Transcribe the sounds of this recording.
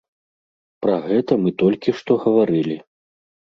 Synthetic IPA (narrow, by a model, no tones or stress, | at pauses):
pɾɐɣɛt̪ɐmɨt̪ɔlʲkʲiʂt̪ɔɣɐvaɾɨlʲi